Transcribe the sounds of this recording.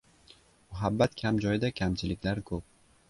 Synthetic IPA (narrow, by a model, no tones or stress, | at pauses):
mʊɦabːat̪kʲʰamd͡ʒɒjd̪akʲʰamt͡ʃʰɪlɪkʲlaɾkʰɵp̚